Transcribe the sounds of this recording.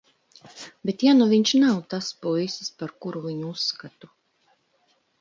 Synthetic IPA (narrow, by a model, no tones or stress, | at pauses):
bʲet̪januvʲiɲʃnawt̪aspuisispaɾkuɾuvʲiɲuusːkat̪u